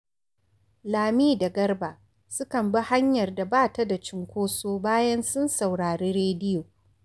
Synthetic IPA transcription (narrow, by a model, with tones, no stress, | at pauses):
laː˨miː˦da˨ɡɐ˦rbaː˨ | sʊ˦kɐ˨mbɐ˦ha˦ɲjɐ˨rda˨baː˦ta˨da˨t͡ʃɪ˦ŋkʷoː˦soː˦baː˦jɐ˦nsʊ˦nsa˨wɽaː˨ɾeː˦ɾeː˦dɪ˦joː˨